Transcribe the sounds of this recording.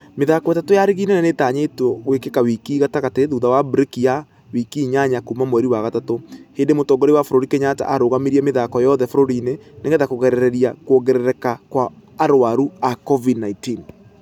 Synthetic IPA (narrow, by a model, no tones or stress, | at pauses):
meðakɔetatojaɾiɣiːnenanetaːɲetɔɣwekekawikiːɣataɣateðuðawabɾekija | wikiːɲaɲakumamwɛɾiwaɣatatoheːndemotɔːɡɔɾewafoɾoɾikeɲata̰ʔaɾoːɣameɾiɛmeðakɔjɔðɛfoɾoɾineneŋɡeðakoɣɛɾɛɾɛɾiakoɣɛɾɛɾɛkakwaː | ɾwaɾuakɔvidnaitin